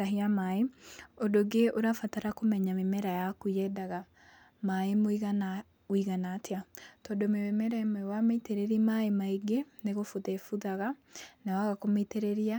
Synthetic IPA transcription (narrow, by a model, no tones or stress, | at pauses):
aɦiamaeodoɡeʔoɾafataɾakomɛɲamemɛɾajakuɛdaɣa | maemoɣa | wiɣanatʰeatɔːdomememɛɾaemɛwameiteɾeɾimaemaeɡeneɣofoðefuðaɣanawaɣakometeɾeɾia